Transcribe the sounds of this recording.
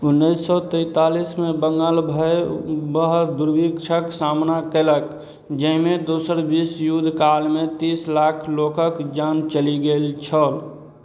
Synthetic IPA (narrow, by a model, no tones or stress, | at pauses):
ʊnːisːɔt̪əɪt̪aːlismẽbəŋɡaːlbʱəebəɦd̪ʊɾbikʃʰəksaːmnakelək | d͡ʒəɦmẽd̪oːsəɾbisjud̪ʱkaːlmẽt̪iːslaːkʰloːkəkd͡ʒaːnt͡ʃəliɡelt͡ʃʰɔːl